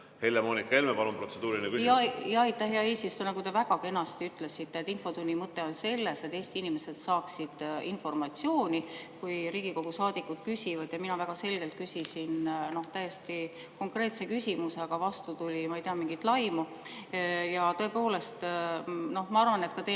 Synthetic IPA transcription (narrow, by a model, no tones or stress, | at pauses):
helemoːnikːelmepɑlumpɾro̞t̪sed̪uːɾinekyjɑjɑijt̪ːˑæhjɑeːsist̪unekujt̪evæɡɑke̞nɑst̪iyt̪ːˑle̞sit̪ːˑet̪ːˑinfo̞t̪unʲːimɤt̪ːe̞o̞nse̞lːe̞se̞t̪ːˑeːsʲt̪iinime̞se̞d̪̥sɑːksid̪̥info̞rmɑt̪sio̞ːnʲikujɾiːɡ̥iko̞ɡ̥usɑːd̪ikːud̪̥̚kysʲivɑd̪jɑminɑvæɡ̥ɑse̞lɡ̥e̞lt̪̚kysisinno̞ht̪æjːest̪i | ko̞ŋkre̞ːt̪se̞kysʲimuse̞ɡ̥ɑvɑst̪ut̪ulʲimɑejt̪eɑmiŋɡ̥it̪lɑjmu | jɑt̪ɤ̞e̞po̞ːle̞st̪no̞hmɑɑrvɑne̞t̪kɑt̪e